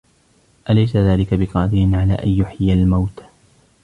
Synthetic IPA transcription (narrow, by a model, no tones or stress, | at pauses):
ʔalajsaðaːlɪkabɪqɑːd̪ɪɾɪnʕalaːʔanjʊħɪalmawt̪